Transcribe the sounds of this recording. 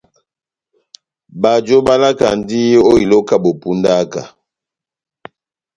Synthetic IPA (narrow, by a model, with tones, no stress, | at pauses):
ba˨d͡ʒo˦ba˦la˦ka̰˨n˦di˦o˦i˨lo˦ka˦bo˨pu˦nda˦ka̰˨